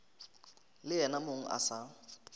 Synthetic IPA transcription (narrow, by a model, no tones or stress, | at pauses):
lɪɛnamoŋ̩ʔa̰sa